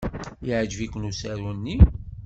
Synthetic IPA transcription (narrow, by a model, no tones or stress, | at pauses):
iʕd͡ʒvikʷənusæɾunːi